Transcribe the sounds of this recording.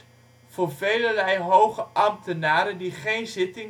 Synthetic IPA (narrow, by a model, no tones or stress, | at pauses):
v̥ʊːɹvejlərɛjɦowχəʔɑmtənaːɾəndiχejnzɪtɪŋ